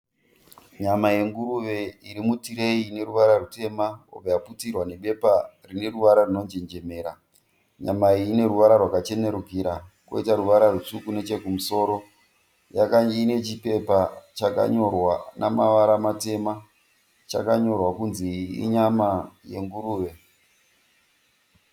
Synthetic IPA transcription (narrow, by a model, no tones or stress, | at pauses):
ɲamaje̞ŋɡuɾuʋeiɾimutiɾe̞ine̞ɾuʋaɾarute̞maobajaputirwane̞ɓe̞parine̞ruʋaɾarino̞nd͡ʒend͡ʒe̞me̞ːɾa | ɲamaine̞ruʋaɾarwakat͡ʃe̞ne̞ɾukiɾa | ko̞̰itaɾuʋaɾarut͡ʂukune̞t͡ʃe̞kumuso̞ːɾo̞ | ja̰kaine̞t͡ʃipe̞pat͡ʃaka̰ɲo̞rwanamaʋaɾamate̞ma | t͡ʃa̰kaɲo̞rwakunziḭɲamaje̞̰ŋɡuruːʋe̞